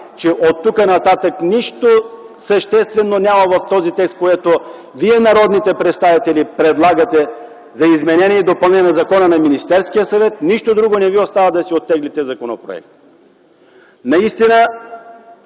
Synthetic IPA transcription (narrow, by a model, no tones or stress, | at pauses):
t͡ʃɛʔot̪ːukənɐt̪at̪əkniʃt̪o | sɐʃt̪ɛst̪vɛnːonʲamɐvɐft̪ɔzit̪ɛkst̪̚koɛt̪o | viɛnɐɾɔd̪nit̪ɛpɾɛt̪st̪avit̪ɛlipɾɛd̪lˠaɡɐt̪ɛ | zɐizmɛnɛnʲiɛid̪opɐlˠnɛnɐzɐkɔnənɐminist̪ɛɾskijəsɐvɛt̪̚niʃt̪od̪ɾuɡonɛviost̪avəd̪ɐsiot̪ːɛɡlit̪ɛzɐkonopɾo̰ɛ̰k̚t̪ | nɐist̪inə